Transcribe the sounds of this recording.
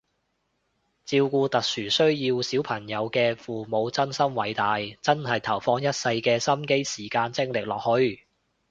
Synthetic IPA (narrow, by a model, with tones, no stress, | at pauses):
t͡siː˧wkuː˧t̪ɐ˨k̚syː˨˩sɵ˥ɥjiː˧wsi˨˥wpʰɐ˨˩ŋjɐ˨˧wkɛː˧fuː˨˩mo˨˧wt͡sɐ˥nsɐ˥mwɐ˨˧jt̪aː˨jt͡sɐ˥nhɐ˨jt̪ʰɐ˨˩wfɔː˧ŋjɐ˥t̚sɐ˧jkɛː˧sɐ˥mke˥jsiː˨˩kaː˧nt͡sɪ˥ŋlɪ˨k̚lɔː˨k̚hɵ˧ɥ